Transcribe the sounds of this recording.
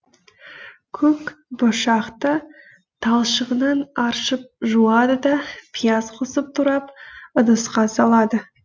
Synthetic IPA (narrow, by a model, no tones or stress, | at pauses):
kʲʰɵkboʃɑqt̪ə | t̪ʰɑlˠʃəʁənɑnɑɾʃəp̚ʒuɑd̪əd̪ɑpʰijazqʰʊsəp̚t̪ʰʊɾɑpʊd̪əsqɑsɑlˠɑd̪ə